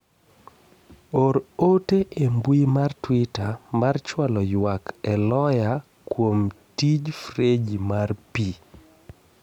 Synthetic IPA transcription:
oɾoteʔembwimartwitamart͡ʃwalɔjwakɛlɔja | kwomtid͡ʒfɾed͡ʒimarpi

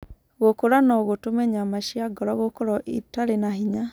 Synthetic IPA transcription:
ɣokoɾanɔɣotomɛɲamaʃiaɡɔɾɔɣokoɾɔʔitaɾenahiɲa

